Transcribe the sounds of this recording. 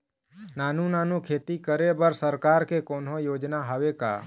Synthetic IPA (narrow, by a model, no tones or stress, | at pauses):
naːnunaːnukʰeːt̪ikəɾebəɾsəɾkaːɾkekoːnɦõjoːd͡ʒnaɦəʋeka̰ː